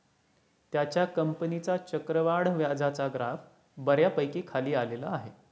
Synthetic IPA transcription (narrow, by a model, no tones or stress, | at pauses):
t̪jat͡ɕjakəmpənit͡sat͡ɕəkɾəʋaɽ̤ʋjad͡zʱat͡saɡɾaf | bəɾjapəjkiːkʰaliːalela̰ːɦe